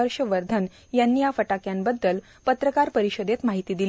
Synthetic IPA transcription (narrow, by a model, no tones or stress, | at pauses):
əɾʂəʋəɾd̪ʱən | janːiːjafəʈakjambəd̪ːəl | pət̪ɾəkaɾpəɾiɕəd̪et̪maɦit̪iːd̪il